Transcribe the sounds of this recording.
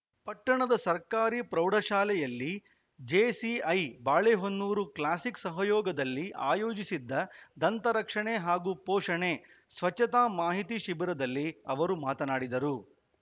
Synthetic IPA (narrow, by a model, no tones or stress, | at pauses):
pɐʈːɐɳɐd̪ɐsɐɾkaːɾiːpɾɐwɖʱɐʃaːlɛjɐlːi | d͡ʒeːsiɐjbaːɭeːɦonːuːɾuklaːsiksɐɦɐjɔːɡɐd̪ɐlːiʔa̰ːjoːd͡ʒisid̪ːɐd̪ɐnt̪ɐɾɐkʂɐɳeɦaːɡupɔːʂɐɳe | sʋɐt͡ʃːɐt̪aːmaːɦit̪iʃibiɾɐd̪ɐlːiɐʋɐɾumaːt̪ɐnaːɽid̪ɐɾu